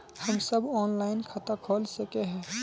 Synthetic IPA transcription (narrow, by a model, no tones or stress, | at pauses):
həmsəbɔːnlaːɪnkʰat̪akʰoːlsəkeɦɛ̃ː